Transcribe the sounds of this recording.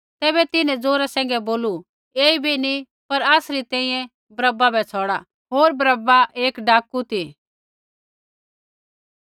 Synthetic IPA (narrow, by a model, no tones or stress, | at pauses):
t̪ɛːbɛt̪ɪnɛ̃d͡zoːɾasɛ̃ːŋɡɛboːlu | eːibʱini | pɐɾaːsɾit̪ɛ̃ːĩjɛ̃ | bɾɐbabɛt͡sʰɔːɽa | ɦoːɾbɾəbaʔeːkɖaːkːut̪i